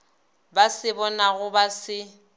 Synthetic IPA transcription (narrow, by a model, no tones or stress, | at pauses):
basɪbɔnaɣʊbasɪ